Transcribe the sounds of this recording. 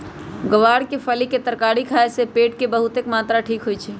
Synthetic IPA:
ɡəʋaɽkepʰəliket̪əɾkaɽikʰaesepeʈkebəɦut̪ekmat̪ɾaʈʰikɦojt͡ʃʰɛ

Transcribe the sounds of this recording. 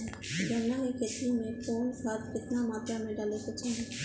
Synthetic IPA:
d͡ʒɐnːaɦeket̪imẽpoːnsaɾkɪt̪namaːt̪ɾjamẽɖaːlekot͡ʃʰaːɦe

